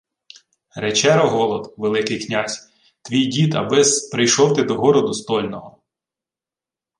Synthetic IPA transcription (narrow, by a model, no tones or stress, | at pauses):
ɾet͡ʃɛɾɔɦɔlˠɔd̪ʋelˠɪkɪjknʲasʲ | t̪ʋʲijdʲit̪ɐ̰bɪspɾɪjʃɔwt̪ɪd̪ɔɦɔɾɔd̪ʊst̪ɔlʲnɔɦɔ